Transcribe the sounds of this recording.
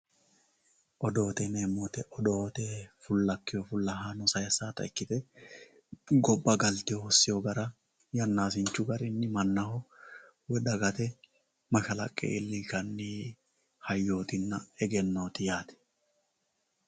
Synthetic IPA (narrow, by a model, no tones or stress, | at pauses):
ʔɔd̪o̞ːt̪ɛneːmːɔt̪ɛʔɔd̪o̞ːt̪ɛfʊlːɐkːɪjɔfʊlːɐɦanɔsɐjɐsaːt̪ɐ̰ɪkːɪt̪ɛ | ɡɔbːɐɡɐlt̪ɪjɔhɔsːɪjɔɡɐɾɐ | jɐnːaːsɪnt͡ʃːʊɡɐɾɪnːɪmɐnːɐhɔ | wɛd̪ɐɡɐt̪ɛ | mɐʃɐlɐ̰kʼːɛ̰ɪlːiːkɐnːi | hɐjːo̞ːt̪ɪnːɐɛɡɛnːoːt̪ɪjaːt̪ɛ̥